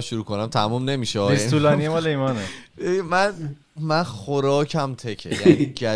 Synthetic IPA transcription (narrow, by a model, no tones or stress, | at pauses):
ʃuɾuːkʰonæmt̪ʰæmumne̞miːʃeɒːesnulɒːnijemɒːleiːmɒːnemæn | mænxoɾɒːcʰæmt̪ʰe̞cʰḛjænid͡ʒæ